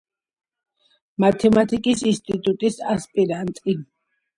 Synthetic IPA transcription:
mat̪ʰɛmat̪ʰikʼisinst̪ʼit̪ʼut̪ʼisaspʼiɾant̪ʼi

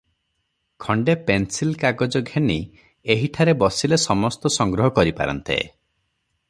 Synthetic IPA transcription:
kʰɔɳɖepensilkaɡɔd͡ʒɔɡʱeni | eɦiʈʰaɾebɔsilesɔmɔst̪ɔsɔŋɡɾɔɦɔkɔɾipa̰ɾɔ̰nt̪ḛ

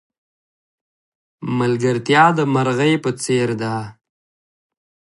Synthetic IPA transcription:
malɡəɾt̪jɑd̪əmaɾɣajpət͡seɾd̪a

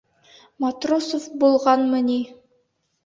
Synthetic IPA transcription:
mat̪rosofbulˠʁɑnmɤni

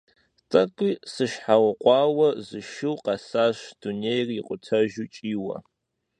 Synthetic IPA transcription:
tʼɐkʷʼiːsɨʃħawɐqʷʼɑːwɐzɨʃɪwqɑsaːɕd̥unejriqʷʼʊtʰɐʒut͡ʃʼiːwɐ̰

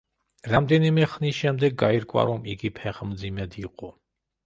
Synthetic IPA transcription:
ɾamd̪ɛnimɛχniʃɛmd̪ɛɡ̚ːaiɾkʼwa̰ɾɔmiɡipʰɛχmd̪zimɛd̪iqʼɔ

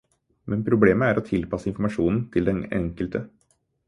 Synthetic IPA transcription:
mɛnpʰɾʊbleːməæɾɔt̪ʰɪlpɑsəɪnfɾmɑʂuːnn̩t̪ʰɪld̪ɛnɛ̰ŋkəlt̪ə

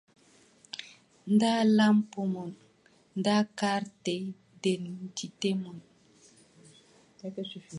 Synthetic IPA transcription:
ndalampomɔn | ndakaɾtej | dentitemɔn

